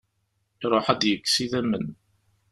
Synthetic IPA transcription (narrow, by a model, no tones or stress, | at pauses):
iɾˤoħad̪jəkːsiðæmːən